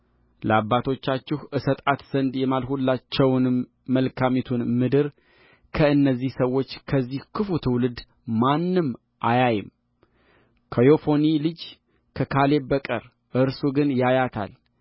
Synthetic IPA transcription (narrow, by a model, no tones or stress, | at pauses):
ləabːat̪ʰo̞t͡ʃːat͡ʃːɪhʔɨsət̪ʼat̪z̥ənd̪jɛmalhulːat͡ʃːɛwnɨmː | əlkʰamet̪ʰunmɨd̪ɨɾ | kʰəɨnːəzːihsəwo̞t͡ʃːkʰəzːihkʰɨfut̪ʰɨwlɨd̪ | manːɨm | ʔajajɪm | kʰəjo̞fo̞nilɨd͡ʒ | kʰəkʰale̞bəkʼəɾ | ʔɨɾsuɡɨnjajat̪ʰa̰l